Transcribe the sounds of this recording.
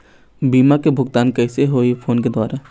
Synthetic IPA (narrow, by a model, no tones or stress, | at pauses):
biːmakebʱʊɡt̪aːnkɛːseɦoːipʰoːnked̪ɔːɾa